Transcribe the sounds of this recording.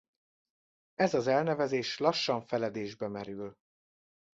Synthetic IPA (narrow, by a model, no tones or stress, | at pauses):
ɛzɒzɛlnɛvɛzeːʃlɒʃːɒɱfɛlɛd̪eːʒbɛmɛɾyl